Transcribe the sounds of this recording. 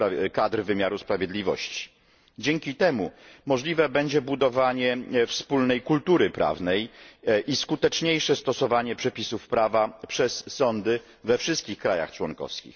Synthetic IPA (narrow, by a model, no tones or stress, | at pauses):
kad̪ɾvɘmʲjaɾuspɾavʲjed̪lʲivɔ̰ɕt͡ɕi̥ | d͡ʑɛŋkʲit̪ɛmumɔʐlʲivɛbɛɲd͡ʑɛbud̪ɔvaɲɛfspulnɛjkult̪uɾɘpɾʔa̰vnɛjʔiskut̪ɛt͡ʂɲejʂɛst̪ɔsɔvaɲɛpʂɛpʲisufpɾavapʂɛsːɔnd̪ɘ | vɛfʂɘst̪̚kʲixkɾaja̰xt͡ʂwɔŋkɔ̰fskʲḭx